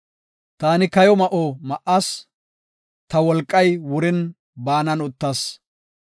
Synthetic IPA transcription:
t̪aːnɪkɐjɔmɐʔomɐʔas | t̪ɐwɔlkʼːɐjwʊɾɪn | baːnɐnʊt̪ːɐs

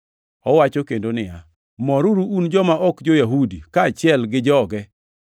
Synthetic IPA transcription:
ɔwat͡ʃokendonɪja | mɔɾuɾuʔund͡ʒɔmaʔɔkd͡ʒojaɦudikaːt͡ʃɪɛlɡɪd͡ʒɔɡɛ

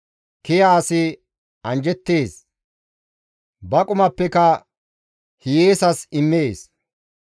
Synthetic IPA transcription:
kɪjaːsɪ | ɐnd͡ʒɛt̪ːeːs | bɐkʼʊmɐpːɛkɐ | hɪjeːsɐsɪmːeːs

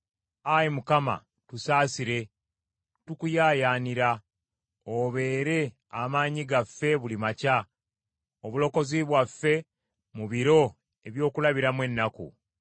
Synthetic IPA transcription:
ajimukama̰ | tusaːsiɾe̞ | tukujaːjaːniɾa | oβe̞ːɾe̞ | amaːɲiɡafːe̞βulimaca | oβulo̞ko̞ziβwafːe̞ | muβiɾo̞ | e̞βjo̞ːkulaβiɾamwe̞nːakṵ

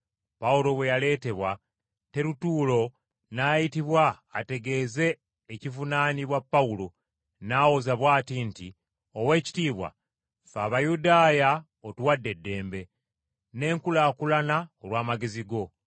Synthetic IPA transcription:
paulo̞βwe̞jale̞ːte̞βwa | te̞ɾutuːlo̞ | naːjitiβwaː | te̞ɡe̞ːze̞ː | civunaːniβwapːaulo̞ | naːwozaβwaːtinti | o̞we̞ːci̥tiːβwa̰ | faːβajudaːja | otuwadːe̞dːe̞ːmbe̞ | ne̞ːŋkulakulanaolwaːmaɡe̞ziɡo̞

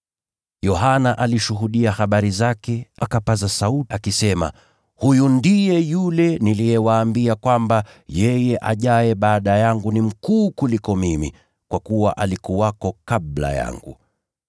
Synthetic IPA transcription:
jɔɦanaʔaliʃuɦuɗiahaɓaɾizakɛakapazasauakisɛma̰ | hujundijɛjulɛnilijɛwaːmbiakwamba | jɛjɛʔaʄaɛɓaːɗajaŋɡunim̩kuːkulikɔmimḭ | kwakuwaʔalikuwakɔkaɓla̰ja̰ŋɡṵ

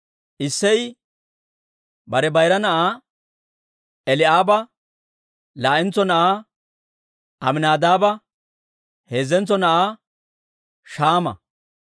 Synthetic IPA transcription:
ʔɪsːɛj | bɐɾɛbɐjɾɐnɐʔaː | ʔɛlɪʔaːbɐ | laːʔɪnt͡sːɔnɐʔaː | ɐmɪnaːd̪aːbɐ | he̞ːzːɛnt͡sːɔnɐʔaː | ʃaːmɐ̰

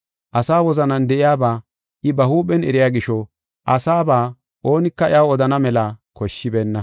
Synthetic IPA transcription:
ʔɐsaːwɔzɐnɐnd̪ɛʔɪjaːbaː | ʔɪbɐhuːpɛnɛ̰ɾɪjaːɡɪʃɔ | ʔɐsaːbaː | ʔo̞ːnɪkːɐɪjawɔd̪ɐnɐmɛlakɔʃːɪbeːnːɐ

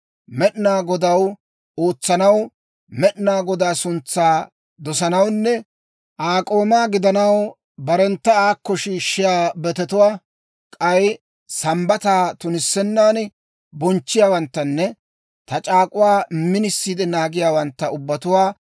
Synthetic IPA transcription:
mɛʔnaːɡɔd̪ɐw | oːt͡sːɐnɐw | mɛʔnaːɡɔd̪aːsʊnt͡sːaː | d̪ɔsɐnɐwnːɛ | ʔaːkʼo̞ːmaːɡɪd̪ɐnɐw | bɐɾɛnt̪ːɐaːkːɔʃiːʃːɪjaːbɛt̪ɛt̪ʊwaː | kʼɐj | sɐmbɐt̪aːt̪ʊnɪsːɛnːaːn | bɔnt͡ʃːɪjaːwɐnt̪ːɐnːɛ | t̪ɐt͡ʃʼaːkʼʊwaːmɪnɪsːiːd̪ɛnaːɡɪjaːwɐnt̪ːɐʊbːɐt̪ʊwaː

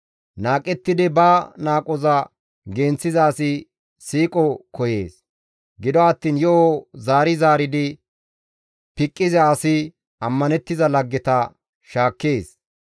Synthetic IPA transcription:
naːkʼɛt̪ːɪd̪ɪbanaːkʼɔzɐ | ɡeːnt͡sːɪzɐːsɪ | siːkʼɔkɔjeːs | ɡɪd̪ɔɐt̪ːiːnjɔʔozaːɾɪzaːɾɪd̪ɪ | pɪkʼːɪzɛɐsɪ | ɐmːɐnɛt̪ːɪzɐlɐɡːɛt̪ɐ | ʃaːkːeːs

